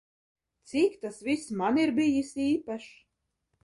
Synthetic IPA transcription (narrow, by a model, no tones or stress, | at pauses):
t̪sikt̪asvismaniɾbijisiːpaʃ